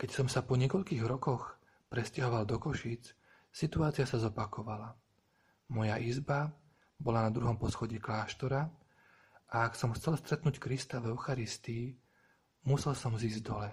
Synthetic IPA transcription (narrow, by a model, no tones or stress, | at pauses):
kɛcsɔmsapɔɲɪɛkɔʎkiːɣɾɔkɔx | pɾɛscaɦɔʋald̪ɔkɔʃiːt͡s | sit̪uaːt͡sɪasazɔpakʰɔʋala | mɔjaʔizba | bɔlanad̪ɾuɦɔmpɔsxɔɟiklaːʃt̪ɔɾa | ʔaaksɔmxt͡sɛlst̪ɾɛt̪nuːckɾist̪avɛʊxaɾist̪iː | musɛlsɔmziːzɟd̪ɔlɛ